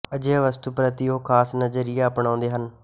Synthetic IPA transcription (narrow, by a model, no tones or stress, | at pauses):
əd͡ʒeʋəst̪upɾət̪ioːkʰaːsnəd͡ʒəɾiːaːəpɳãːnd̪eːɦən